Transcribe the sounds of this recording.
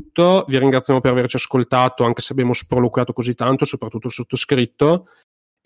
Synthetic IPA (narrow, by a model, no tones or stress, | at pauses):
t̪ːoviɾiŋɡɾat̪ːjamopeɾavert͡ʃiaskolt̪aːt̪oaŋk̟e̥seabjaːmospɾolokwjaːt̪okozit̪ːant̪osopɾat̪ːut̪ːolsot̪ːoskɾit̪ːo